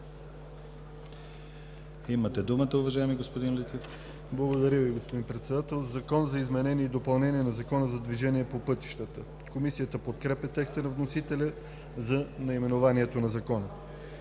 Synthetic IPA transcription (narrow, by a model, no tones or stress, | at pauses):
imət̪ɛd̪umət̪əʊvɐʒajɛmiɡospod̪inlɛt̪if | blˠɐɡod̪ɐɾʲjəviɡospod̪inpɾɛt̪sɛd̪at̪ɛlˠzɐkɔnzɐizmɛnɛniɛid̪opɐlˠnɛniɛnɐzɐkɔnəzɐd̪viʒɛniɛpopɤt̪i̥ʃt̪ət̪ə | komisijət̪əpot̪kɾɛpʲɛt̪ɛkst̪ənɐvnosit̪ɛlʲə | zɐnɐimɛnovaniɛt̪onɐzɐkɔnə